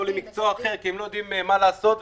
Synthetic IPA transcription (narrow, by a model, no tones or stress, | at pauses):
olimikt͡soaːχeʁkiemlojod̪iimːemalaːso̞t̪v